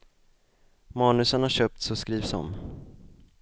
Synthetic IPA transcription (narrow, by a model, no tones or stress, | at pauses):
mɑːnɵsənhaɕœːp̚t̪sɔskɾiːvsɔ̰m